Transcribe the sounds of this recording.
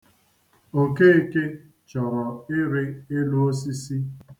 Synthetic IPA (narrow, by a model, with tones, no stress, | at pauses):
o˨ke˦e˦ke˦ | t͡ʃɔ˨ɾɔ˨ɪ˦ɾɪ˦e˦lu˦o˦si˦si˦